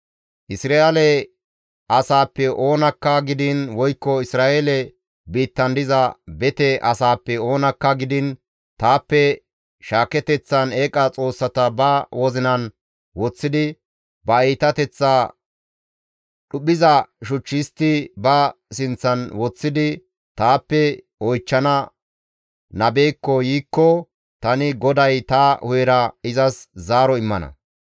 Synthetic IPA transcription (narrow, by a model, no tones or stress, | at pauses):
ʔɪsɾaelɛ | ʔɐsaːpːɛʔo̞ːnɐkːɐɡɪd̪ɪnwɔjkːɔɪsɾaːʔeːlɛ | biːt̪ːɐnd̪ɪzɐbɛt̪ɛʔɐsaːpːɛo̞ːnɐkːɐɡɪd̪ɪn | t̪aːpːɛ | ʃaːkɛt̪ɛt͡sːɐneːkʼɐt͡sʼo̞ːsːɐt̪ɐbɐwɔzɪnɐn | wɔt͡sːɪd̪ɪ | bɐiːt̪ɐt̪ɛt͡sːaː | ɗʊɓɪzɐʃʊt͡ʃːɪst̪ɪbɐ | sɪnt͡sːɐnwɔt͡sːɪd̪ɪ | t̪aːpːɛ | ɔjt͡ʃːɐnɐ | nɐbeːkːɔjiːkːɔ | t̪ɐnɪɡɔd̪ɐjt̪ɐhʊjɛɾɐɪzɐszaːɾɔɪmːɐnɐ̰